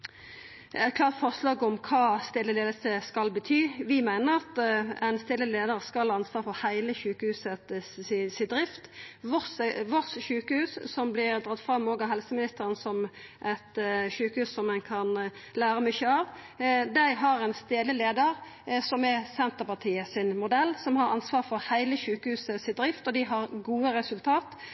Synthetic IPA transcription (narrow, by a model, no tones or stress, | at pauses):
æɪt̪̚kʰlɑːʁt̪fɔʁʂlɑːɡɔmkʰɑːst̪eːləleːd̪əsəskɑlbət̪ʰyːʋɪmæɪnəʁɑt̪ɛɪnst̪ɪːlːəleːd̪əʁskɑlhɑɑnsʋɑːɾfɔhæɪləçʉːkəhʉːsət̪ɪsɪd̪ɾɪft̪ʋɔsʋɔtsɕʉːkəhʉːsːɔmblɪʁd̪ʁɑt̪ːfɾɑmːoːɡɑɦɛlsəmɪnɪst̪əʁənsɔmʔɛt̪ʃʉːkəhʉːssɔmɛnkʰɑnlæːɾəmʏçːəɑʋ | d̪æɪɦɑɾɛnst̪eːləleːd̪əʁ | sɔmɛsɛnt̪əʁpɑt̪ʰiːəsɪnmʊd̪ɛlːsɔmhɑɾɑ̰nsʋɑːʁfɔɾhæɪləʃʉːkəhʉːsəsɪt̪̚d̪ʁɪft̪ɔd̪ɪɦɑɾɡuːəɾɛsʉlt̪ʰɑːt̪